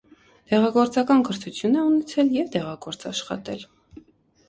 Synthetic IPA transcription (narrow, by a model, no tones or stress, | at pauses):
t̪ɛʁɑɡɔɾt͡sɑkɑnkəɾt̪ʰut͡sʰjunɛunɛt͡sʰɛljɛvt̪ɛʁɑɡɔɾt͡sɑ̰ʃχɑ̰t̪ɛl